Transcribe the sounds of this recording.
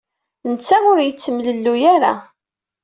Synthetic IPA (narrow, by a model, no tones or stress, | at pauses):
nt͡sːæʊɾjət͡sːəmləlːujaɾa̰